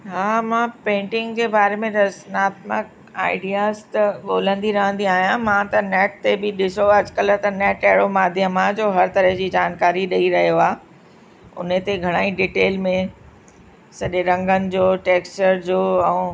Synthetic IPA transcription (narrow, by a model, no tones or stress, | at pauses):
ɦaːmãpẽːɳʈɪ̃ŋɡd͡ʑeːbaːɾemẽɾɐsnaːt̪mə̰k̚ | a̰ːɪɖijaːzt̪ɐɠoːl̤ə̃nd̪iɾɐɦə̃nd̪iaːɦijãmãt̪ɐnɛːʈ̚t̪ebɪɗɪsoɐd͡ʑkəlt̪ɐnɛːʈɐɦɪɽomaːd̪ʱjəmãd͡ʑoːɦɐɾt̪ɐɾəɦd͡ʑiːd͡ʑaːnkaːɾiɗɐiɾɐɦijoaː | ʊ̰nət̪eɡʱɐɽ̃aːiɖiːʈeːlmẽ | sɐʄeɾɐ̃ŋɡənɪ̆d͡ʑoːʈeːkst͡ɕəɾd͡ʑoːɛ̃ː